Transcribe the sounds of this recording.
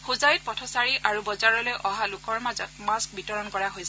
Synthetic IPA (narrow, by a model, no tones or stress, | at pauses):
xozajut̚pɔtʰɔsaɹiʔaɹubɔzaɹɔlojʔɔɦalʊkɔɹmazɔtmask̚bitɔɹɔnkɔɹaɦojs